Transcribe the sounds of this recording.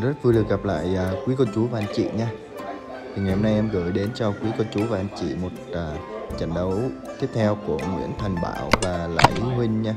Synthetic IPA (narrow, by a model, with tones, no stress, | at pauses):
zə˦˥t̚vɨ˧ɗɨ˨˩ək̚ɣa˨˩p̚la̰ː˧˨jʔəː˨˩kwi˨˦kə˧t͡ɕu˨˦vaː˨˩ʔa˧nt͡ɕḭ˧˨ɲaː˧ | t̪ʰi˨˩ŋa˨˩jho˧mna˧jʔɛ˧mɣə̰ː˧˩jɗe˨˦nt͡ɕɔ˧kwi˨˦kə˧t͡ɕu˨˦vaː˨˩ʔa˧nt͡ɕḭ˧˨mo˨˩t̚aː˨˩t͡ɕa̰˧˩jŋ̟ɗə˨˦wt̪i˦˥p̚t̪ʰɛ˧wku˧˩əmwḭ˧˥əŋt̪ʰɛ˨˩jŋ̟ɓa̰ː˧˩˦wvaː˨˩la̰ː˧˩jʔi˨˦hwï˧ŋ̟ɲaː˧